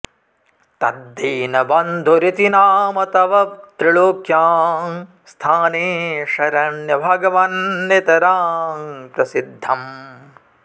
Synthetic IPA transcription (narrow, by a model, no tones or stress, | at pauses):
t̪ɐ̰d̪ːiːnɐbɐnd̪ʱuɾit̪inaːmɐt̪ɐʋɐt̪ɾiɭoːkʰjaːm | st̪ʰaːneːʃɐɾɐɳjɐbʱɐːɡɐʋɐnːet̪ɐɾaːmpɾɐsid̪ʱːɐm